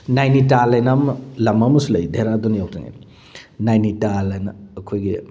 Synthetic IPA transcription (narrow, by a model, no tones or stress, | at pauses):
najnitalajnamlɐmɐmɐsulɐjdʱeɾadonijowkta̰ŋḛn | najnitalɐjnɐːkʰojɡi